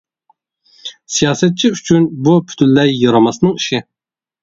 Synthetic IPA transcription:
sijɑːsɛt̪̚t͡ʃʰiyt͡ʃʰynbupʰy̥t̪ʰynlɛjːɑɾɑmɑsnɨŋiʃɪ

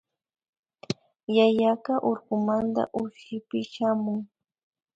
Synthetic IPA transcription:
jajakɑʔoɾɢʊmant̪a̰ʔʊʃɪpɪʃamʊŋ

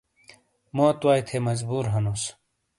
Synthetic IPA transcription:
moːt̪waːjt̪ʰemɐzbuːɾɦɐnoːs

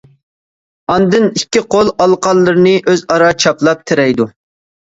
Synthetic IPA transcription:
ɑnd̪ɨnikʲːiqʰolˠɑlˠqɑlˠːɨɾnɨʔøzɑɾɑt͡ʃʰɑplˠɑp̚t̪ʰɪɾɛjd̪u

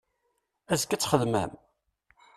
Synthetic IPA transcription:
æzkːæt͡sːχəðmæ̰m

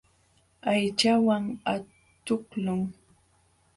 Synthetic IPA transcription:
ajt͡ʃawaŋa | t̪ʊklʊŋ

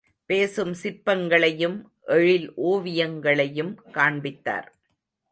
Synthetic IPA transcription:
peːsɯmsɪpːɐŋɡɐɭɐjɯm | ʔɛɻɪlʔoːʋɪjɐŋɡɐɭɐjɯmkaːɳbɪt̪ːa̰ːɾ

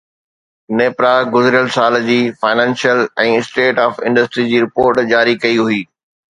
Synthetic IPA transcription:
neːpɾaɡʊzɪɾjəlsaːld͡ʑiːfaːɪnɛ̃ːnʃijəlɛ̃ːɪsʈeːʈaːfɪ̃ɳɖəsʈɾid͡ʑiːɾɪpoːɾʈd͡ʑaːɾikɐiɦuiː

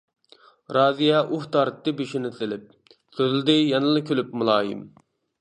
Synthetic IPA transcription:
ɾɑːzijɑʔuht̪ɑɾt̪ːɨbiʃinɪsɪlɪp̚ | søzɪld̪ɪjɑnɨlˠɨkʲʰølyp̚mulˠɑːjɪ̰m

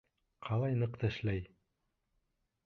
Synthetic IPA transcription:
qʰɑlˠɑjnɤqt̪æ̆ʃlæj

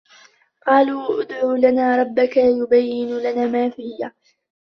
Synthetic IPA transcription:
qɑːluːʔʊd̪ʕuːlanaːɾˤɑbːakajʊbajːɪnʊlanaːmaːfɪjːa

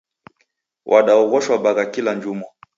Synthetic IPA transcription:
wʔaɗaɔɣɔʃwaɓaɣakilaɲd͡ʒuma

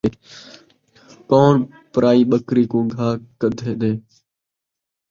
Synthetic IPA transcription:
koːɳ | pəɾaːiːɓəkɾiːkõːɡʱaːkəd̪ʱeːɗẽː

